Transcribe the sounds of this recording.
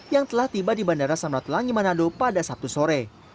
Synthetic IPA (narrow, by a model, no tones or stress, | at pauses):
jaŋt̪əlaht̪ibadibandaɾasamat̪laŋimanadopadasap̚t̪usoɾɛ